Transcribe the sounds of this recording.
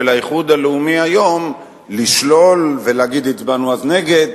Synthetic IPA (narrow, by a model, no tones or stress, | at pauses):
elaiχud̪aleumiajo̞m | liʃlo̞lveleaɡid̪it̪banuazne̞ɡe̞d̪